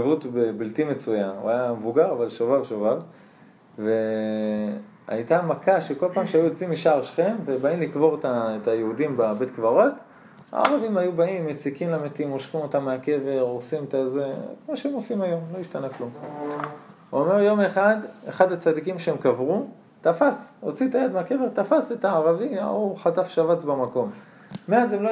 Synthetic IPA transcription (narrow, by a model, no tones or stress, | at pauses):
vutbebiltime̞t͡sujanṵajamevuɡaʁavalʃovavʃovav | ve | a̰jt̪amakʰaʃeko̞lpaːmʃeajuet͡simiʃaʁʃχe̞mvebaimlikvo̞ʁetaetajeudimbabe̞tkvaʁo̞t | a̰ːʁavimajubaimjet͡sikimlametiimoʃχimo̞t̪amːeake̞ve̞ʁosimtazekmoʃeemo̞simajo̞mlo̞iʃtanaklum | ome̞ʁjo̞meχadeχadat͡sadikimʃeemkavʁu | tafasʁot͡sit̪ajad̪meake̞ve̞ʁt̪afaset̪aːʁavima̰uχatafʃavat͡sbamako̞mː | eazemlo